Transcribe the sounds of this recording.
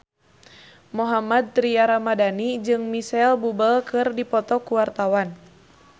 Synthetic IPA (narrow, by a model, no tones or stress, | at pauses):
mɔɦamad̪̚t̪ɾiaɾamadanid͡ʒɨŋmisɛlbubəlkɨrdipɔt̪ɔkuwart̪awan